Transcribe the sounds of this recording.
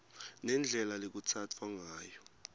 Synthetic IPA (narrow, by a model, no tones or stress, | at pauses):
nɛnd͡ɮʱɛlalek̬ut͡sʰat͡fʰwaŋaːjɔ